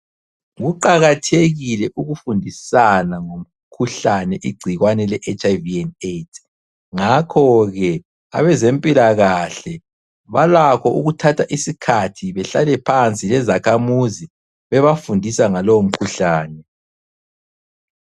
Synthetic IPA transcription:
ɣuǃaɣatʰeɣilɛʔuɣufundʱisanaŋom̩ | kʰuɬanɛʔiɡ͡ǀʱiɣwanɛlɛʔet͡ʃʼajviɛnetʰ | ŋakʰɔɣɛ | a̰βɛzempʼilaɣaɬɛ | βalakʰɔʔuɣutʰatʰaʔisikʰatʰiβɛɬalɛpʰant͡sʼilɛzakʰamuzi | βɛβafundʱisaŋalowom̩kʰuɬaːnɛ

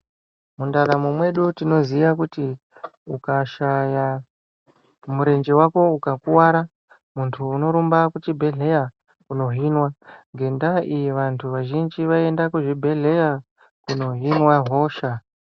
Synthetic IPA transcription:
mundaɾamumwe̞ɗutino̞ziakuti | ukaʃaja | muɾe̞nd͡ʒe̞wako̞ukakuwaɾa | muntʰuːno̞ɾumbakut͡ʃibʱe̞ɮe̞ja | kuno̞ɦinwaŋɡe̞ndaʔijiʋantʰuʋaʒind͡ʒiʋae̞ndakuʐibʱe̞ɮe̞ja | kuno̞ɦinwaɦo̞ːʃa

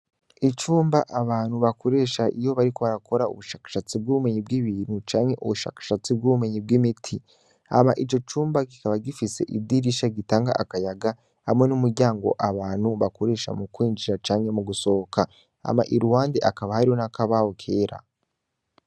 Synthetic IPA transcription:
it͡ʃuːmbaʔaβaːn̥huβako̞ɾe̞ːʃaʔijo̞βaɾiko̞βaɾako̞ɾaṵβuʃaːkḁʃat͡sib̚ɡuβume̞ɲib̚ɡiːβiːn̥hut͡ʃaːŋhe̞ʔṵβuʃa̰ːkḁʃat͡sib̚ɡuβume̞ɲib̚wiːmitʰi | a̰maʔit͡ʃo̞t͡ʃuːmbaɡikaβaɡifise̞̰ʔibdiɾiʃaɡitaːŋɡa̰ʔakajaɡa | hamŋe̞numuɾɟaːŋɡo̞̰ʔaβaːnhuβakoɾe̞ːʃa̰mukwiːɲd͡ʒiɾat͡ʃaːŋhe̞muɡuso̞oka | a̰ma̰ʔiɾuwaːndeʔakaβahaɾio̞nakaβahokʰe̞ːɾa̰

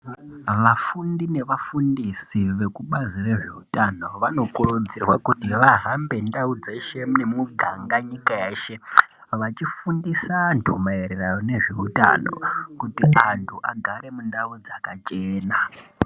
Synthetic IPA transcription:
ʋafundine̞ʋafundisiʋe̞kuɓazire̞ʐe̞utano̞ʋano̞kurud͡zirwakutiʋaɦambe̞ndaud͡ze̞ʃe̞mune̞muɡʱaŋɡaɲikaeːʃe | ʋat͡ʃifundisantʰumaeɾerajone̞ʐe̞uta̰no̞̰kutiʔantʰuʔa̰ɡʱaɾe̞mundaud͡zakat͡ʃeːna

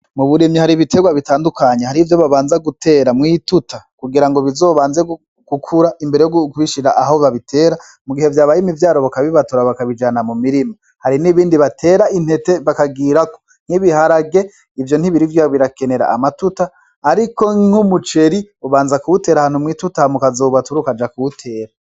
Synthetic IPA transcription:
muβuɾemɲihaɾiβite̞ɡwaβitaːndukaɲehaɾivjo̞βaβaːnzaɡutʰe̞ːɾamŋiːtutakuɡiɾaŋɡoβizo̞ːβaːnze | ɡ̥ukʰuɾaʔimbeɾe̞jokuβiʃiɾaʔaɦoβaβitʰe̞ːɾa | muɡihe̞vjaːβajimivjaːɾo̞βakaβiβatuɾaβakaβid͡ʒanamumiɾimo | haɾiniβiːndiβatʰe̞ːɾainhe̞te̞βakaɡiɾako̥ | n̥hiβiɦaɾaɡe̞ | ivjo̞n̥iβiɾivjoβiɾake̞ne̞ɾa̰ʔamatutaː | ɾiko̞ŋhumut͡ʃe̞ɾiuβaːnzakuβute̞ːɾahaːnhumŋiːtutamukazoːβatuɾukad͡ʒakuβutʰe̞ːɾa

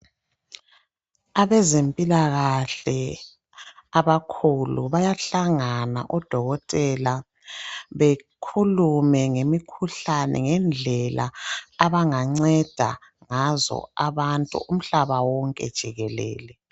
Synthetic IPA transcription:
aβɛzempʼilaɣaɬɛ | aβakʰuluβajaɬaŋana̰ʔɔd̥ʱɔɣɔtʼɛla | βekʰulumɛŋemikʰuɬanɛ̰ŋɛnd͡ɮʱɛlʔa̰ːβaŋaŋ͡ǀɛd̥ʱa̰ | ŋazɔ̰aβantʼṵʔum̩ɬaβawɔŋkʼɛ̰d̥ʒ̥ʱiɣɛlɛ̰ːlɛ

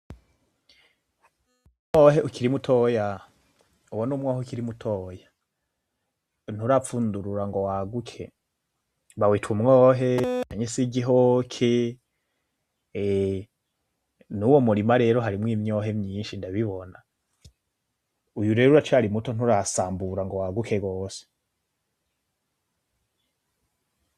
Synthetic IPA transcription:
umŋoːɦeʔukiɾimutʰoja | uwonumŋaheukiɾimutʰoja | n̥uɾafuːnduɾuɾaŋɡowaɡukʰe̞̰ | βawitʰumŋoːɦe̞kaɲesiɡiɦokʰe | nuwo̞muɾimaɾe̞ːɾoɦaɾimŋiːmɲo̞ɦe̞mɲiːnʃindaβiβo̞na | ujuɾe̞ɾuɾat͡ʃaɾimuto̞n̥uɾasaːmbuɾaŋɡowaɡukʰe̞ɡo̞ːse̥

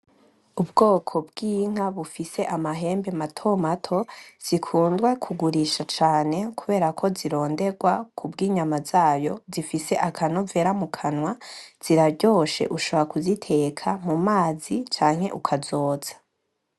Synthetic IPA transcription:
ubɡoːkʰo̞bɡiːŋ̥aβufise̞ʔamaɦe̞ːmbematʰo̞matʰo̞z̥ikʰuːndɡwekʰuɡuɾiʃat͡ʃaːne̞kuβe̞ːɾakʰo̞ziɾo̞ːnde̞ɡwakʰubɡiːɲamazaːjo̞zifise̞ʔakʰanove̞ːɾamukʰanwaz̥iɾaɾɟo̞ːʃe̞̰ʔuʃo̞βoɾakuzitʰe̞kʰamumaːzit͡ʃaːŋ̥he̞ʔukʰazo̞ːz̥ḁ

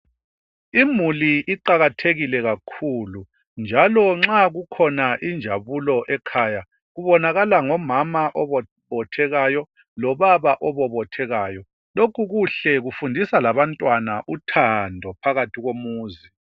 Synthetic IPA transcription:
imuliʔiǃaɣatʰeɣilɛɣakʰuːlu | nd͡ʒʱalɔŋ͡ǁaɣukʰɔnaʔind͡ʒʱaβulɔʔɛkʰaːja | ɣuβɔnaɣalaŋɔmamaʔɔɔ | βɔtʰɛɣajɔ | lɔβaβaʔɔβɔβɔtʰɛɣaːjɔ | lokʰuɣuɬɛɣufundʱisalaβantʼwanaʔutʰandʱɔpʰaɣatʰiɣomuːzi

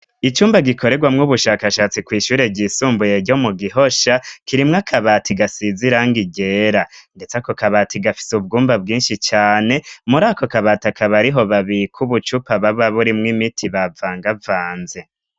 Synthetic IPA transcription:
it͡ʃuːmbaɡikʰo̞ɾe̞ɡwamŋuβuʃaːkaʃat͡sikwiːʃuːɾe̞ɟiːsuːmbuje̞ɾɟo̞muɡiɦo̞ʃakiɾimŋakʰaβatʰiɡasiziɾaŋɡiɟe̞ːɾande̞t͡sako̞kaβatiɡafi̥subɡuːmbab̚ɡiːnʃit͡ʃaːne̞muɾaːko̞kaβaːtakʰaβaɾiɦo̞βaβiɾikʰuβut͡ʃupaβaβaβuɾimŋimitʰiβavaːŋɡavaːnze̞

